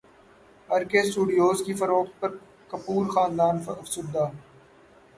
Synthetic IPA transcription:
əɾkeːsʈuːɖijoːzkifəɾoːkt̪̚pɐɾ | kəpuːɾxaːnd̪aːnɐfsuːd̪aː

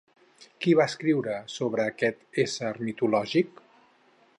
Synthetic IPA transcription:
kiβaəskɾiwɾəsoβɾəːkɛt̪esəɾmit̪ulɔʒik

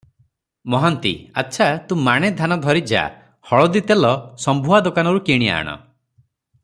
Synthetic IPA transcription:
mɔɦɔnt̪ḭa̰tːʃʰat̪ũmaɽ̃ed̪ʱanɔd̪ʱɔɾid͡ʒa̰ | hɔɭɔd̪it̪elɔsɔmbʱuɦad̪okanɔɾukiɽ̃ia̰ːɽ̃ɔ̰

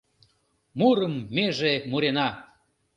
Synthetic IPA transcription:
muɾəmːeʒemuɾenɑ

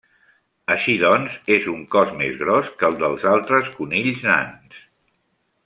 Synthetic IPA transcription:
əʃiðɔnzezuŋkɔzmezɣɾɔskəlˠd̪əlˠzalˠt̪ɾəskuniʎzna̰ns

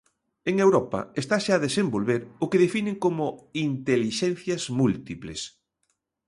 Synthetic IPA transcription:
eŋewɾɔpɐ̰est̪aʃaːðesembolβeɾʊkeðefineŋkomʊint̪eliʃɛn̟θjɐzmult̪iplḛs

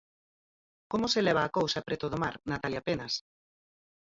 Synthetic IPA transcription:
komʊselɛβaːkowsɐpɾet̪oðomaɾnat̪aljapenɐs

